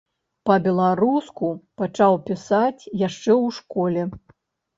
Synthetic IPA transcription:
pɐbʲɛlˠaɾuskupat͡ʂawpʲisat͡sʲjaʂt͡ʂɛwʂkɔlʲɛ

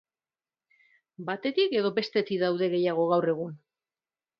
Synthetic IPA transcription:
bat̪e̞t̪ike̞ðo̞be̞st̪et̪iðawðe̞ɣe̞jaɣ̞o̞ɣawre̞ɣ̞un

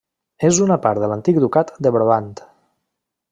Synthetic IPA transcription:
ezunəpaɾt̪ðələnt̪ik̚d̪ukat̪d̪əβɾβant̪

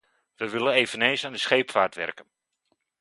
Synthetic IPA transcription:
ʋəʋɪlənejvənensaːndəsχejpfaːrtʋɛ̰rkən

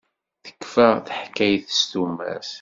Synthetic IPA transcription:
θə̥kːfæθəħkːæjθə̥st̪umːæ̰s

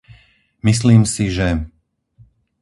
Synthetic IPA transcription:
mis̬liːmsiʒɛ

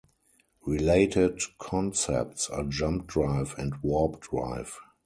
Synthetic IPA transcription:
ɹileɪtʰɪdkʰɔ̃nsɛ̰p̚tsaːd͡ʒãmp̚dɹaɪvɛ̃ntwɔpdɹa̰ɪv

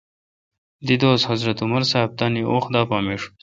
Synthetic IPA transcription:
d̪id̪oːzhazɾɐt̪ʊmɐɾsab̚t̪aniʔoːxd̪ɑːpɑːmeːʂu̥

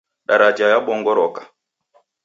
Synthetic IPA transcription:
ɗaɾad͡ʒajaɓɔŋɡɔɾɔkḁ

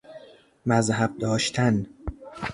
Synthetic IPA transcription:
mæzhæb̚d̪ɒːʃt̪ʰæn

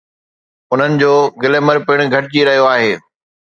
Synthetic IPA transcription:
ʊn̤ənɪ̆d͡ʑoːɡɪleːməɾpɪɽ̃̆ɡʱɐʈɪd͡ʑiɾɐɦijoaːɦeː

